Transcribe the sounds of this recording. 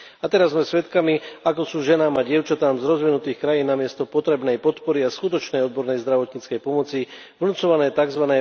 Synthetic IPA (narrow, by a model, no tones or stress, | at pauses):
at̪ɛɾazːmɛsʋɛt̪kamiakɔsuːʒɛnaːmaɟɪɛʊt͡ʃat̪aːmzɾɔzʋinut̪iːxkɾajiːnːamɪɛst̪ɔpɔt̪ɾɛbnɛjpɔt̪pɔɾiaskut̪ɔt͡ʃnɛjɔd̪̚bɔɾnɛjzd̪ɾaʋɔt̪ɲiːt͡skɛjpɔmɔt͡si | ʋnut͡sɔʋanɛːt̪aɡzʋanɛ